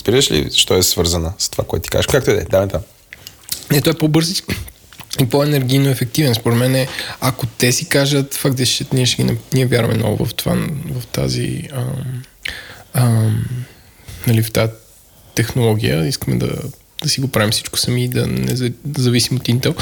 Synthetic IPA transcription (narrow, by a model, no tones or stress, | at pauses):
zbiɾəʃlḭʃt̪ɔɛsvɤɾzənəst̪o̥va̰koɛt̪ːikazəʃkak̚t̪oɛd̪ɛ̰d̪avɛnt̪am | nɛt̪ɔɛpɔbɤɾzi | ipɔɛnɛɾɡ̟ijnoɛfɛk̚t̪ivɛnspoɾɛt̪mɛnɛakot̪ɛsikaʒət̪fak̪d̪ɛst͡ʃɛt̪nʲiɛʃɛɡʲinniɛvʲjaɾvɐ̰mɛ̰nɔ̰vʊ̰vɐ̰ft̪va̰nvɐft̪a̰zḭəm | əm | nɐlift̪a | t̪ɛxnolˠɔɡ̟ʲijə̰iskəmɛ̰d̪ɐ̰ | d̪̥ɐsiɡopɾavimsit͡ʃko̥sɐmiːd̪ɐ̰nɛ̰zzɐvisimot̪int̪ɛlˠ